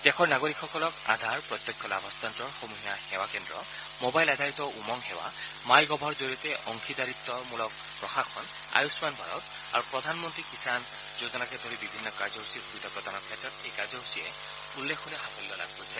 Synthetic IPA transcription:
t̪ɛkʰɔɹnaɡoɹikʰxɔkɔlɔka̰d̪ʱaɹpɹɔt̪jɔkʰːɔlabʱɔst̪antɹɔɹxomuɦiaxɛwakɛndɹɔ̰ | mobajlad̪ʱaɹit̪ɔʔumɔŋhɛwa̰ | majɡɔbʱɔɹzoɹiɔt̪ɛʔɔŋkʰidaɹit̪ːɔmulɔk̚ | pɹɔxakʰːɔn | a̰jusmanbʱaɹɔ̰t̪ | a̰ɹupɹɔd̪ʱanmɔntɹikisan | zut̪ɔlakɛd̪ʱoɹibibʱinːɔkaɹzɔɦusiɾubit̪ɔkɔt̪anɔɹkʰɛtɹɔt̪ejkaɹzɔɦusijɛ̰ | ulːekʰɦolɛxapʰɔllɔla̰ɡ̚poisʰɛ

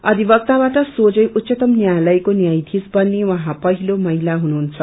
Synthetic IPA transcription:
ʌd̪ʱibʌk̚t̪abaʈʌsod͡zʌjʔut̪ːsʌt̪ʌmnjajlʌjkonjajd̪ʱisbʌnːiwʌɦãpʌɦilomʌɦilaɦunuɦunt͡sʰʌ̥

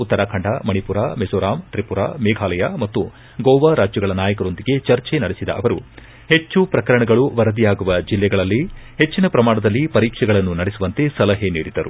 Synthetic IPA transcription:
ut̪ːɐɾaːkʰɐɳɖamɐɳipuɾa̰ːmesoːɾaːmt̪ɾipuɾa̰ːmɛːɡʱaːlɐjamɐt̪ːu | ɡoːʋaɾaːd͡ʒjɐɡɐɭɐnaːjɐkɐɾo̞nd̪iɡe̞t͡ʃɐɾt͡ʃenɐɽesid̪ɐ̰ʔɐʋɐɾu | he̞t͡ʃːupɾɐkɐɾɐɳɐɡɐɭuʋɐɾɐd̪ijaːɡuʋɐd͡ʒilːɛɡɐɭɐlːihe̞t͡ʃːinɐpɾɐmaːɳɐd̪ɐlːipɐɾiːkʂɛɡɐɭɐnːunɐɽesuʋɐnt̪e̞sɐlɐɦeniːɽid̪ɐɾṵ

